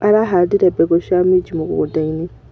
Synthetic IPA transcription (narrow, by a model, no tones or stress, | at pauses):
aɾaɦadiɾebeɡoʃamiɟimukṵudaini